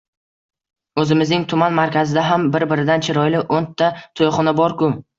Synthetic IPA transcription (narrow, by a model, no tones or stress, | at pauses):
ɵzɪmɪznɪŋt̪ʰʊmanmaɾkʲʰazɪd̪aɦambɪɾbɪɾɪd̪ant͡ʃʰɪɾɒjlɪʔont̪ʰːat̪ʰojχɒnabɒɾkʊ